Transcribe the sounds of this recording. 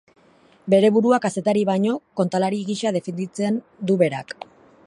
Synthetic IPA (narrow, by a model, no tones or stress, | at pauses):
be̞ɾe̞βuɾuakase̞t̪aɾiβaɲo̞ko̞nt̪alaɾiɣiʃað̞e̞fend̪it͡se̞n | d̪uβe̞ɾak